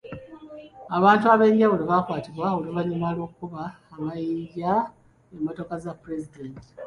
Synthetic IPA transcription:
aβaːntuaβe̞ːɲɟawuliβakwaːtiβwaoloβaɲumalo̞ːkukuβaː | majiːɲɟa | emoto̞kazapːɾezidenti̥

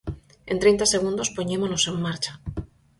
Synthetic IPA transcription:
e̞nt̪ɾejnt̪ase̞ɣ̞und̪o̞spo̞ɲemono̞se̞mːaɾt͡ʃḁ

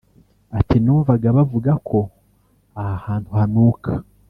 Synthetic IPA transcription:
atinuːɱvaɡaβavuɡakʰo̞ | ahahaːntʰuhanuːkʰa

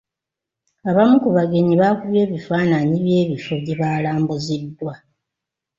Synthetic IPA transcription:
aβamukuβaɡe̞ɲiβakuβje̞ːβifaːnaɲiβje̞ːβifo̞βjeβaːlaːmbuzidːwa

